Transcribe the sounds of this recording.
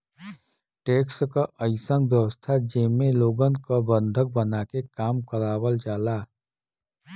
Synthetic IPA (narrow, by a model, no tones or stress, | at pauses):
ʈeːkskaʔəɪsə̃ŋɡbjəʋəst̪ʰad͡ʒemẽloːɡənkabə̃nd̪ʱək̚bənaːkekaːmkəɾaːwəld͡ʒaːlaː